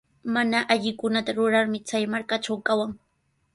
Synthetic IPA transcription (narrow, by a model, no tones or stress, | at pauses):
manaʔaʎɪkʊnat̪aɾʊɾaɾmɪt͡sajmaɾkaʈ͡ʂawkawaŋ